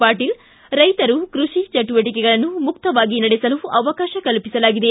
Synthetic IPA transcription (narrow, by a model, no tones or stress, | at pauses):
paːʈiːl | ɾɐjt̪ɐɾukɾuʂit͡ʃɐʈuʋɐʈ̬ikɛɡɐɭɐnːumuk̚t̪ɐʋaːɡinɐɽesɐluɐʋɐkaːʃɐkɐlpisɐlaːɡid̪e